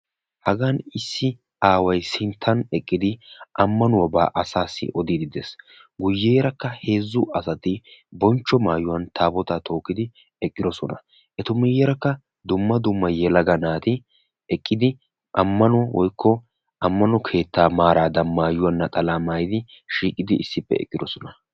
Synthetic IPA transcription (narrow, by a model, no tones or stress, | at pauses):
hɐɡanɪsːɪ | aːwɐjsɪnt̪ʰːɐnɛkʼːɪd̪ɪʔɐmːɐnʊwɐba̰ːʔɐsaːsːɪ̰ʔɔd̪id̪ɪd̪ɛs | ɡʊjːejɛɾɐkːɐhe̞ːzːʊʔɐsɐt̪ɪbɔnt͡ʃːɔmaːjʊwɐnt̪ʰaːbɔt̪aːt̪ʰo̞ːkːɪd̪ɪ | ɛkʼːɪd̪ɔsɔnɐ̰ | ʔɛt̪ʊmɪjɛɾɐkːɐ | d̪ʊmːɐd̪ʊmːɐjɛlɐɡɐnaːt̪ɪ | ɛkʼːɪd̪ɪ | ʔɐmːɐnɔwɔjkːɔ | ʔɐmːɐnɔkʰe̞ːt̪ːaːmaːɾaːd̪ɐnmaːjʊwɐnːɐt̪ʼɐlaːmaːjɪd̪ɪ | ʃiːkʼːɪd̪ɪʔɪsːɪpːɛ̰ɛ̰kʼːɪd̪ɔsɔnɐ